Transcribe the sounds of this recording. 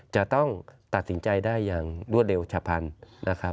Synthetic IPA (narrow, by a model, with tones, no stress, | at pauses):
t͡ɕa˨˩ʔt̪ɔ˥˩ŋt̪a˨˩t̪̚si˩˦nt͡ɕa˧jdaː˥˩jːaː˨˩ŋdu˥˩ət̪̚le˧wt͡ɕʰa˧pʰa˧nːʔa˦˥kʰa˦˥